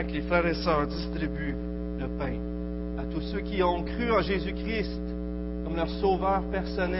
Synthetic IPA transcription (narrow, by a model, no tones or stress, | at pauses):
klefʁɛʁɛsœːʁd̪ist̪ʁiby | ləpɛ̃ | at̪usøkʲiɔ̃kʁyɑ̃ʒezykʲʁist̪ | kɔmlœʁsoːvœːʁpɛʁsɔnɛ